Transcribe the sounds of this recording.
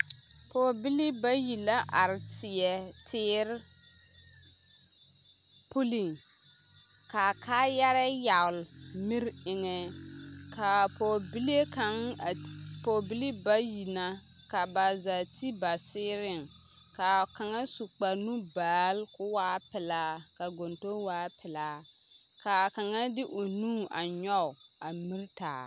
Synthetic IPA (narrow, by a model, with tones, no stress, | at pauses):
poː˨bi˦lɪ˦ba˦ji˨la˦ʔa˨ɾɪ˨tɪ˨jɛ˨tʰɪː˦ɾ | pu˦li˨ŋ | ka˨kʰa˦jɛ˦ɾɛ˦ja˨ʊ˨lmi˦ɾɪ˨ŋɛ˨kʰa˨po˨bi˦le˦ka˨˦ŋ˨ | po˨bi˦li˦ba˦ji˨na˦ | ka˨ba˨za˨tʰi˦ba˨sɪː˦ɾɪ˦˨ŋ | ka˨ka˨ŋa˦su˨k͡pa˨nu˦baː˨˦lkʊ˦waː˦pɪ˨laː˨˦ka˨ɡo˨nto˦waː˨˦pʰɪ˨laː˨˦ | ka˨ka˨ŋa˦dɪ˦ʔo˨nũː˦˨a˨ɲɔ˦˨ | a˨mi˦ɾta̰ː˨